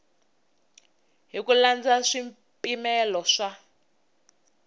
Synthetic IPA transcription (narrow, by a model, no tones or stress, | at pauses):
ɦikuland͡zaʂim | pʼimɛlɔʂa